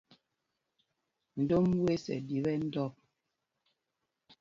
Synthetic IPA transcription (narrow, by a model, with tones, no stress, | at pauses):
n̩˨do˦m˦we˦sɛ̰˨di˨βɛ˦n̩˦dɔ˦˨p̚